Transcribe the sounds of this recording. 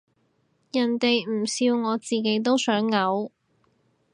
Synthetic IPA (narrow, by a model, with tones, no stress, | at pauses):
jɐ˨˩nt̪e˨jm̩˨˩siː˧wŋɔː˨˧t͡siː˨ke˨˧˥jt̪o˥wsœː˨˥ŋːɐ˨˥w